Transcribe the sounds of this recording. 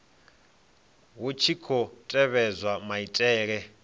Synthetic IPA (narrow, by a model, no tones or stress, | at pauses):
wut͡ʃʰikʰɔtʼɛβɛzwamaitʼɛːɺɛ